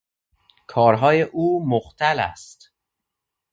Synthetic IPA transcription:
kʰɒːɾɦɒːjeʔuːmoxt̪ʰælæ̰st̪

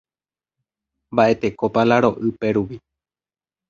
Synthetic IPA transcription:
mbaʔe̞t̪e̞kopalaɾo̞ʔɨpeɾuʋi

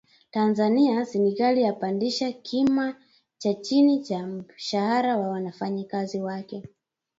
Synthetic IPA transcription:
tanzaniasɛnikalijapandiʃakʰima | t͡ʃat͡ʃinit͡ʃam̩ʃahaɾawawanafaɲikaziwakɛ

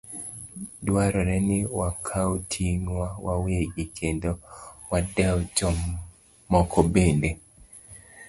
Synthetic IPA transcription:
dwaɾɔnɛnɪwakʰawtʰiŋwawaweɡɪkʰendowadɛɔt͡ʃɔmː | ɔkʰɔbende

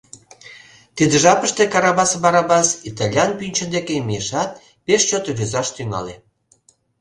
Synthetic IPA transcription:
t̪id̪əʒɑpəʃt̪ekɑɾɑβɑsβɑɾɑβɑsit̪ɑlʲjɑnpynʲt͡ɕə̆nd̪ekemjeʃɑt̪̚ | peʃt͡ɕot̪oβøzɑʃt̪yŋɑ̰le

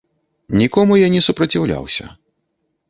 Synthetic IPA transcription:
nʲikɔmujanʲɛsupɾɐt͡sʲiwlʲa̰wsʲɐ̰

